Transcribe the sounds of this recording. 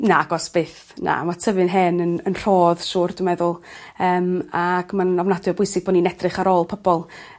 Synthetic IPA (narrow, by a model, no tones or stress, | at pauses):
naaɡɔsb̥eːθ | na̰matʰəvɨnɦɛnənənr̥ɔːðʃʊːrdʊmɛðʊlˠəːmaɡ̥manɔvnadjɔbʊɨsɪɡ̚b̥ɔninɛdrɨχaɾɔːlˠpʰəbɔlˠ